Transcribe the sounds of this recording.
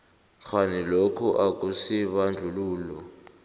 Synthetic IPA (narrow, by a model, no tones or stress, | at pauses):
xʰanilokʰɔʔak̬ʼusiβand͡ɮʱuluːlɔ